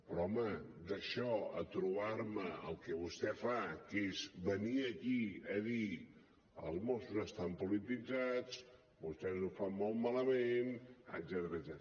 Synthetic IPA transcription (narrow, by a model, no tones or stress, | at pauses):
pɾɔɔməd̪əʃɔət̪ɾuβaɾməə̰lˠkəβust̪ɛfakezbəniəkiəði | ə̰lˠzmɔsuzəst̪ampulit̪id͡zat͡s | bust̪ɛzufammːɔlˠt̪maləmenə̰d̪zɛt̪əɾədzɛt̪